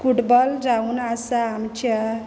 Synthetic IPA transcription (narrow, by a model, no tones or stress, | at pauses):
fuʈbɔlɾaunasaːmt͡ɕʰa